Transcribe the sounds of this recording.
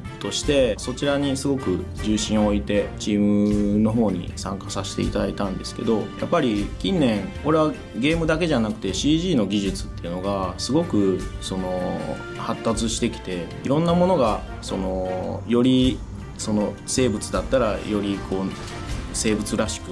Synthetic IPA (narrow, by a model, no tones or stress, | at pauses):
t̪o̞ɕi̥t̪e̞so̞t͡ɕiɾaɲ̟isɨɡo̞kɯ̟d͡ʑɨːɕĩɰ̃oit̪e̞t͡ɕiːmɯ̟no̞ɦo̞ːɲ̟ḭsã̰ŋkasaɕi̥t̪e̞̰ḭt̪ad̪ait̪ãnd̪e̞sɨ̥ke̞d̪o̞ja̰pːaɾʲikʲĩnːẽ̞ŋko̞ɾe̞βa | ɡe̞ːmɯ̟d̪ake̞ʑanakɯ̟t̪e̞ɕiːʑiːno̞ɡʲiʑit͡sɨ̥t̪ːe̞iɯ̟no̞ɡasɨɡo̞kɯ̟so̞no̞ | hat̪ːat͡sɨɕi̥t̪e̞kʲi̥t̪e̞ | iɾõ̞nːamo̞no̞ɡa | so̞̰no̞jo̞ɾʲi | so̞no̞ | se̞ːbɯ̟t͡sɨd̪at̪ːaɾa̰jo̞ɾʲikʰo̞ː | se̞ːbɯ̟t͡sɨɾaɕi̥kɯ